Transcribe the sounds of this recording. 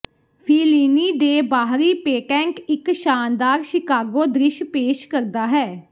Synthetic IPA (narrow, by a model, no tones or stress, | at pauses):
pʰiːliːniːd̪eːbaːɦɾiːpeːʈɛ̃ːŋkɪkʃaːnd̪aːɾʃɪkaːɡoːd̪ɾɪʃpeːʃkəɾd̪aːɦɛː